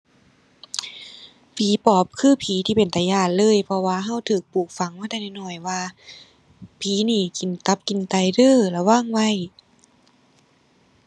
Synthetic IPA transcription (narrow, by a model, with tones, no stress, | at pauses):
pʰiː˨˦pɔː˨˦p̚kʰɯː˧˥˩pʰiː˨˦t̪ʰiː˧˩pe˨˩nt̪aː˨˩˦jaː˧˩tlɤː˧˥˨jpʰɔ˧waː˧ɦa˧˥˨wt̪ʰɯː˨˩k̚puː˨˩k̚fa˨˦ŋwa˧˥˩jt̪a˧˩na˧˩jnɔ˧˩jwaː˧ | pʰiː˨˦niː˧˩ki˨˩nt̪a˧˦p̚ki˨˩nt̪a˧˩jdɤː˧˩˨lɛ˧˩waː˧˥˩ŋwa˧˥˨j